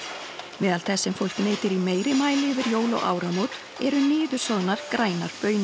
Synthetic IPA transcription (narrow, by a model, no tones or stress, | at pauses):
mɛːðalθɛsːɛmfowl̥kneːjt̪ɪɾimeːjɾɪmaːjlɪvɪɾjoːwlɔ̰ɣa̰ːwɾamot̪ | ɛɾʏnɪːðʏsɔðnaɾ̥kɾaːjnaɾ̥pœːɥnɪ